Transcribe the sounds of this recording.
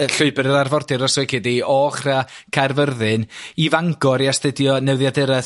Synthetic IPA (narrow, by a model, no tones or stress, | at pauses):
əɬʊɨbɛɾəɾarvɔrdɪɾɔswɛkʰɪdiɔχrakʰarvərðɨnivaŋɡɔɾiastədjɔnɛwðjadɪɾɛ